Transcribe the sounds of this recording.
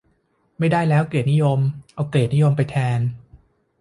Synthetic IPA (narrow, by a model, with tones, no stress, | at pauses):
ma˥˩jda˥˩jlɛː˦˥wkleː˨˩t̪̚ni˦˥jo˧mʔa˧wkleː˨˩t̪̚ni˦˥jo˧mpa˧jt̪ʰɛː˧n